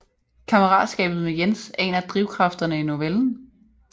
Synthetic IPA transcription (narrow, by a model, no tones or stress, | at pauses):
kʰɑ̈məʁɑ̰̈ːd̥sɡ̥ɛ̰ːb̥ð̩ˠmejensɛ̰ːnɐd̥ʁiʊkʰʁɑ̈fd̥ɐnəino̝ʋeln̩